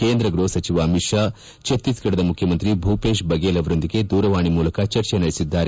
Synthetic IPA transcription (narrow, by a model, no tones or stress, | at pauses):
keːnd̪ɾɐɡɾoːsɐt͡ʃiʋɐːmiʈʂa | t͡ʃɐt̪isɡɐɽɐd̪ɐmukʰjɐmɐnt̪ɾibʱuːpeːʃbɐɡeːlɐʋɐɾo̞nd̪iɡe̞d̪uːɾɐʋaːɳimuːlɐkɐt͡ʃɐɾt͡ʃenɐɽisid̪ːaːɾe